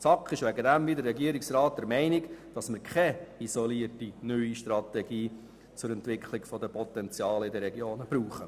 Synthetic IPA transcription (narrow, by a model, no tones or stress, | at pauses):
t͡sɑkχɪʃʋæɡədæmʋid̪ərːɛɡiəɾɪksrɑːt̚d̥̪ɛɾmɛɪnɪɡd̥ɑsmɪɾkʰɛisɔliərtinyʏiʃt̪ɾɑt̪ɛɡiː | t͡sʊɾɛntʋɪkʰlɪɡfɔdəpɔt̪ɛnt͡sjɑːləɪdəɾɛɡjoːnəb̥ɾuːχə